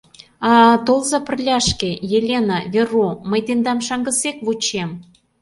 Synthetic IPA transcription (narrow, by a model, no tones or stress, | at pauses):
ɑt̪olzɑpə̆rlʲɑʃkejelʲenɑβʲeroməjt̪end̪ɑmʃɑŋɡə̆sekβut͡ɕem